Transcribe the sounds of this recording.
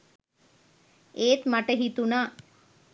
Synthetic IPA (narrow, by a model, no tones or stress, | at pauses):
eːt̪maʈəɦit̪unaː